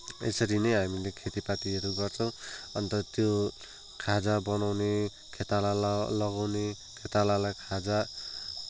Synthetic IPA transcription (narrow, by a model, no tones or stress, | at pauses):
ḛsʌɾinʌjɦamilekʰet̪ipat̪iɦʌɾuɡʌrt͡sʰʌ̃w̃ʌnt̪ʌt̪jo | kʰad͡zabʌnawne | kʰet̪alalʌɡawne | kʰet̪alalajkʰad͡za